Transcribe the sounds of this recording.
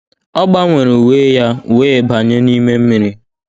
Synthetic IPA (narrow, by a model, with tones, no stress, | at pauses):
ɔ˦ɡ͡ba˦ŋʷe˨ɾe˨u˨weː˦ja˦u˨weː˦˨ba˨ɲe˦ni˦me˦m̩˦mi˨ɾi˦